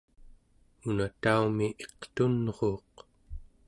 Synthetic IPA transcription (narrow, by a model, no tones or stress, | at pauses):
unat̪aumiʔe̞qt̪unʁo̞ːq